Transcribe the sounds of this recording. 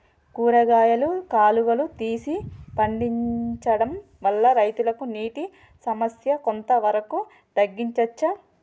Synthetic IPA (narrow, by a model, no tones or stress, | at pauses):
kuːɾɐɡaːjɐlukaːluʋɐlut̪iːsipɐɳɖiɲt͡ʃɐɽɐm | ʋɐlːɐɾɐjt̪ulɐkuniːʈi | sɐmɐsjɐkont̪ɐʋɐɾɐku | t̪ɐɡːiɲt͡ʃɐt͡ʃːɐ